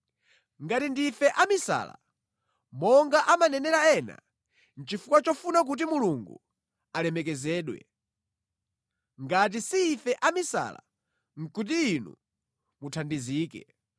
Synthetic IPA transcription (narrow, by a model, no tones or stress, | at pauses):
ŋɡatindifɛʔamisa̰ːla̰ | mɔŋɡaʔamanɛnɛlaɛna̰ | n̩t͡ʃifukwat͡ʃɔfunak̬ut̬imuluŋɡṵ | alɛmɛk̬ɛzɛːɗwɛ̰ | ŋɡat̬isiːfɛʔamisa̰ːla̰ | ŋ̩kut̬iːnṵ | mutʰandiziːkɛ̰